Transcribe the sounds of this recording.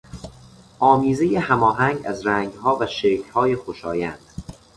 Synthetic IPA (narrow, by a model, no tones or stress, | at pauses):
ʔɒːmiːze̞jehæmɒːɦæŋɡæ̰zɾæŋɡɦɒːvæʃeːkʰhɒːjexoʃɒ̰ːjænd̪̥